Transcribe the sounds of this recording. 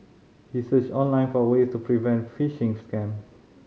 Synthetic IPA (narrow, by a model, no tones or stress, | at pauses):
hisət͡ʃɔ̃nlãɪ̃nfɔwestupʰɹivɛ̃ntfiʃĩŋskɛ̃m